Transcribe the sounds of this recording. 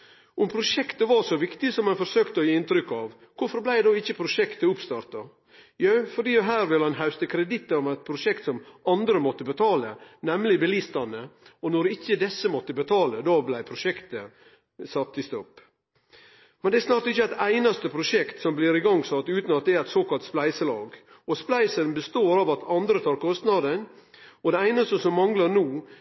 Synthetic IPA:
ʔʊmpʰɾʊʂɛkt̪əʋɑɾʂɔʋɪkt̪ɪsɔmːɛnfɔɾʂøːkt̪əɔjiːɪnt̪ɾʏkːɑʋ | kʰʊɾfɔɾblæɪd̪oːɪçːəpʰɾʊʂɛkt̪əʊpst̪ɑɾt̪ɑ | jœfɔɖiːɔɦæːɾʋɪlɑnɦɑʉst̪əkʰɾɛd̪ɪt̪ːəɔmæɪt̪̚pʰɾʊʂɛkt̪sɔmɑnd̪ɾəmɔt̪ːəbət̪ʰɑːlə̰nɛmlɪbəliːst̪ɑnəɔnɔɾɪçːəd̪ɛsːəmɔt̪ːəbət̪ʰɑːləd̪ɑːblæɪpʰɾʊʂɛkt̪ə | sɑt̪ʰːɪst̪ɔpː | mɛnd̪ɛæɾsnɑːɾʈ̪ɪçːəæɪt̪æɪnɑst̪əpʰɾʊʂɛkt̪sɔmbliːɾɪɡɑŋːsɑt̪ːʉːt̪nɑt̪̚d̪ɛæːɾæɪt̪soːkɑlt̪splæɪsəlɑ̰ːɡ | ɔsplæɪsənbəst̪oːɾɑʋɑt̪ʰɑnd̪ɾət̪ʰɑːɾkʰɔst̪nɑd̪ənɔd̪ɛæɪnɑst̪əsɔmːɑŋlənuː

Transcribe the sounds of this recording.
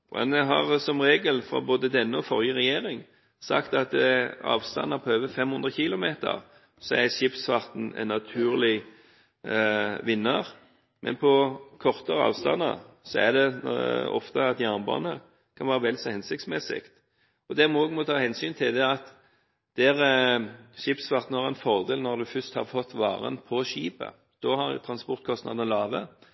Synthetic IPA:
ɛ̰nɛɦɑʁsɔmʁeːɡəlfɾɔ̰boːd̪əd̪ɛnːəɔfɔʁjəʁɛjeːɾɪŋ | sɑ̰kt̪ɑt̪ɑ̰ːʋst̪ɑ̰nːɑpʰɔøːʋəfɛmhʊnd̪ʁəçilʊmeːt̪ə̰ʁ | sɔæʃɪpsfɑʁt̪n̩ɛ̰nːɑt̪ʰʉːʁlɪ | ʋɪnːəʁ | mʔɛ̰npʰɔkʰɔʁt̪əɾəɑ̰ːʋst̪ɑ̰nːə̰ʁsɔæd̪ɛɔ̰ft̪əɑt̪jæʁnbɑ̰ːnə | kʰɑnʋæːɾəʋɛlsɔhɛnsɪk̚t̪smɛsɪ̰kt̪ | ɔd̪ɛmɔɡmɔt̪ʰɑːhɛnsyːnt̪ʰɪld̪ɛɑt̪ | d̪̥ɛɾ | ʃɪpsʋɑʁt̪n̩hɑʁɛnfɔʁd̪eːlnɔʁd̪ʉfʏst̪hɑ̰ʁfɔt̪ːʋɑ̰ːʁə̰npʰɔʃiːpə̰ | d̪̥ɔhɑɾt̪ʰɾɑnspɔʁt̪̚kʰɔst̪nɑ̰d̪ənəlɑːʋə

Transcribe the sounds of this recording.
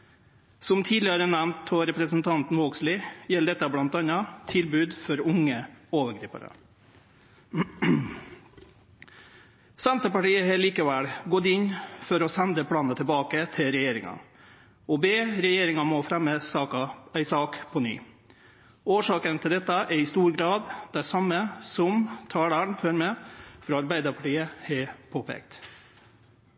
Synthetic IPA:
sɔmt̪ʰiːd̪lɪəɾənæmnt̪ʰɔɾɛpɾəsnt̪ʰɑnt̪n̩ʋoːkslɪjɛld̪ɛt̪ːɑblɑnt̪ɑnɑt̪ʰɪlbʉːd̪fɔɾʊŋːəoːʋəɾɡɾiːpə̰ɾə̰ | sænt̪əpɑʈiːəhɛːliːkɑʋælɡɔd̪ɪnfɔɾɔsɛnd̪əpʰlɑːnət̪ʰəlbɑːkət̪ʰɪlɾɛjeːɾɪŋɑ̰ | ɔbeːɾɛjeːɾɪŋɑmɔfɾɛmːəsɑːkɑæɪsɑːkpʰɔny̰ː | oːʂɑːkənt̪ʰɪld̪ɛt̪ːɑʔɛɾɪst̪uːɾɡɾɑːd̪d̪æsɑmːəsɔmt̪ʰɑːɽəɳføːɾmɛfɾɔɑɾbæɪd̪əɾpʰɑʈiːəhɛpʰoːpʰɛ̰ːkt̪

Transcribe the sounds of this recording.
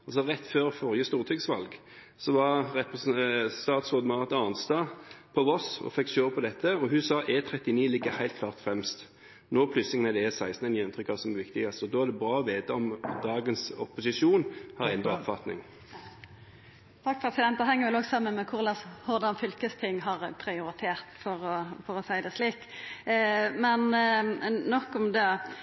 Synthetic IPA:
ɑls̬ɔʁɛt̪ːføːʁfɔʁjəst̪uːʁt̪ʰyɡsʋɑ̰lɡ | sɔʋɑʁʁɛpɛsst̪ɑːt̪sʁoːd̪mɑːʁt̪ɑnst̪ɑpʰɔʋɔsɔ̰fɛkːʃøːʁpʰɔd̪ɛt̪ʰːəɔhʉsɑʔɛːt̪ʰʁɛt̪ːɪniːlɪɡːəhæɪt̪̚kʰlɑːʁt̪fɾʁɛmst̪ | noːpʰlʏslɪŋənəd̪ɛɛsæɪst̪nənɪɛnt̪ɾʏkɑʋsɔmʋɪkt̪ɪɡɑst̪əɔd̪oːæʁd̪ɛbɾɑːɔʋeːt̪ɑɔmd̪ɑːɡənsɔpːʊsɪʂuːnhɑʁɛnd̪ɾɑɔpfɑt̪nɪ̰ŋ | t̪ʰɑkːpʰɾɛsɪd̪ɛnt̪̚d̪ɛɦɛŋːəɾʋɛlɔɡsɑmːənmɛkʰʊʁlɑːshɔʁd̪ɑnfʏlkəst̪ʰɪŋːɦɑʁpʰɾɪʊɾɪt̪ʰeːʁt̪fɔɾɔfɔʁɔsæɪd̪ɛsliːkː | mɛn | nɔkːɔmd̪ɛː

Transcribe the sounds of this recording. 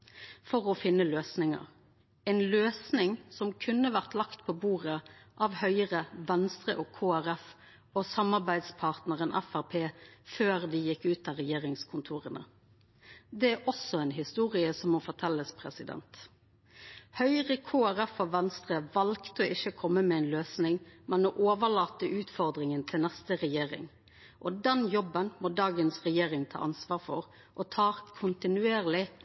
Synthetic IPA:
fɔʁɔfɪnːəløːsnɪŋə̰ʁ | ɛnløːsnɪŋsɔmkʰʉnːəʋæʁt̪lɑkt̪pʰɔbuːʁəʔɑːʋhœʏəʁəʋɛnst̪ʁəʔoːkʰoːæɾɛf | oːsɑmːɑʁbæɪd̪spʰɑʁt̪nəʁənʔɛ̰fæʁpʰeːføːʁd̪ɪjɪkːʉːt̪ɑːʁɛjeːʁɪŋskʰʊnt̪ʰuːʁənə̰ | d̪ɛæʔɔsɔɛːnɦɪst̪uːʁɪəsɔmɔfɔʁʈ̪ʰɛlːəspʰɾɛsɪd̪ɛ̰nt̪ | hœʏʁəkʰoːæʁɛfɔʋɛnst̪ʁəʋɑlkt̪əʔɪçəkʰɔmːəmɛɛɪnløːsnɪŋmɛnmoːʔoːʋəɭɑːt̪əʔʉːt̪fɔʁd̪ʁɪŋənt̪ʰɪlnɛst̪əʁɛjeːɾɪ̰ŋ | ʔɔd̪ɛnjɔbənmoːd̪ɑːɡənsʁɛjeːʁɪŋt̪ʰɑ̰ːʔɑnsʋɑːʁfɔ̰ʁ | ʔɔt̪ʰɑːʁkʰʊnt̪ɪnʉeːʁlɪ

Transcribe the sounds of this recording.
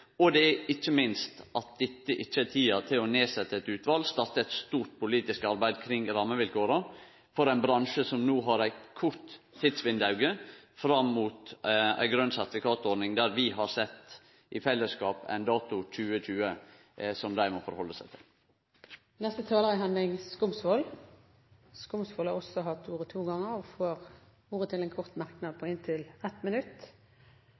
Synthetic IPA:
ɔd̪ɛæɪt͡ʃːəmɪnst̪ʔɑt̪̚d̪ɛt̪ːəʔɪt͡ʃːət̪ʰiːɑt̪ʰɪlɔneːsɛt̪ːəɛt̪ʉːt̪ʋɑːlst̪ɑɾt̪əɛt̪st̪uːɾʈ̪̚pʰʊliːt̪ɪskɑɾbæɪd̪kʰɾɪŋɾɑmːəʋɪlkoːɾɑ | fɔɾæɪnbɾɑnʃəsɔmnuːɦɑɾæɪkʰʊɾt̪ʰːiːd̪sʋɪnd̪ɑʉɡəfɾɑmːuːt̪æ̰ɪɡɾœnsæɾt̪ɪfɪkʰɑːt̪ɔɖnɪŋd̪æɾʋɪɦɑɾsɛt̪ː | ʔɪfɛlːəskɑːpæ̰ɪnd̪ɑːt̪ʊc͡çʰʉːət͡ʃʉːə | sɔmd̪æɪmɔfɔ̰ɾhɔlːəsæɪt̪ʰɪ̰l | nɛst̪ət̪ʰɑːləʁɪɦɛnɪŋskʊmsʋɔl | skʊmsfɔlɑɔsɔɦɑt̪ːuːʁət̪ʰuːɡɑŋːəɔfoːɾ | uːɾət̪ʰɪlɛnkʰɔɾt̪mɑɾknɑd̪̚pʰɔɪnt̪ʰɪlɛt̪mənʉt̪ː

